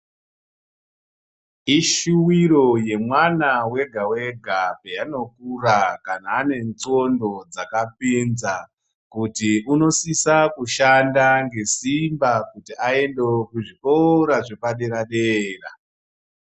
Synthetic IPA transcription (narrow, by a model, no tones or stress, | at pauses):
iʃuwiro̞je̞mwanawe̞ɡʱawe̞ɡʱapejano̞kurakanaːne̞nt͡so̞ndo̞d͡zakapinza | kutiuno̞sisakuʃandaŋɡe̞simbakutiae̞ndekuʐiʔoɾaʐe̞paɗe̞ɾaɗeːra